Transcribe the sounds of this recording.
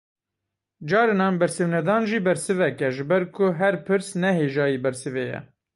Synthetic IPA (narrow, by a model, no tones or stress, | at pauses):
d͡ʒɑːɾɨnɑːnbɛɾsɨvnɛd̪ɑːnʒiːbɛɾsɨvɛkɛʒɨbɛɾkʰʊɦɛɾpʰɨɾsnɛɦeːʒɑːjiːbɛɾsɨvejɛ̰